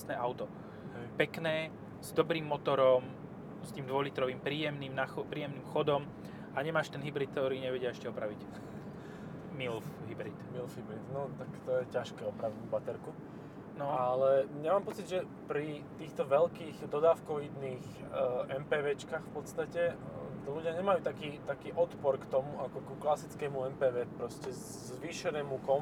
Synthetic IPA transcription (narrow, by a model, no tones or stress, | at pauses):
snɛːʔaʊt̪ɔ | pɛknɛː | z̥d̪ɔbɾiːmːɔt̪ɔɾɔm | st̪iːmd̪ʋɔlit̪ɾɔʋiːmpɾiːjɛmniːmnaxɔpɾiːjɛmniːmxɔd̪ɔm | ʔaɲɛmaːʃt̪ɛnɦibɾiːt̪̚ːt̪ɔɾiːɲɛʋɛɟɪaɛʃcɛɔpɾaʋic | milfɦibɾit̪milfɦibɾit̪nɔt̪akt̪ɔjɛcaʃkɛːɔpɾaʋibat̪ɛɾku | nɔalɛɲɛmaːmpɔt͡sid̪ʒɛ | pɾit̪iːxt̪ɔʋɛlkiːɣd̪ɔd̪aːfkɔʋid̪niːxʔɛmpɛːʋɛːt͡ʃkaːxfpɔt̪st̪acɛt̪ɔluɟɪaɲɛmajuːt̪akiːt̪akiːʔɔt̪pɔɾkt̪ɔmuakɔkuklasit͡skɛːmuɛmpɛːʋɛːpɾɔscɛ | zʋiːʃɛnɛːmukɔn